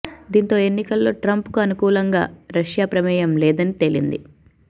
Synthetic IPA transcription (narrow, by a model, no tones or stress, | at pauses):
d̪iːnt̪o̞ːe̞nːikɐlːo̞ːʈɾɐmpkuɐnukuːlɐŋɡa̰ːɾɐʂjaːpɾɐmɛːjɐmlɛːd̪ɐnit̪e̞lḭnd̪ḭ